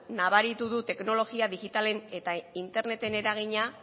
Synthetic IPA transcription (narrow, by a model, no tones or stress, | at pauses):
naβaɾit̪uðut̪e̞kno̞lo̞ɣiaðiɣit̪ale̞ne̞t̪aint̪e̞ɾne̞t̪e̞ne̞ɾaɣ̞iɲa